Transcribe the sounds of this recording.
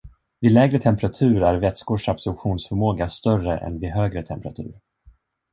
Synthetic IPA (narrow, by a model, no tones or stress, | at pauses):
vɪlɛːɡɾət̪ʰɛmpɾat̪ʰʉ̟ːɾæɾvɛt̪skʊʂabsɵlpɧuːnsfœɾmoːɡast̪œrəʔɛ̰nvɪɦøːɡɾət̪ʰɛmpɾat̪ʰʉ̟̰ːɾ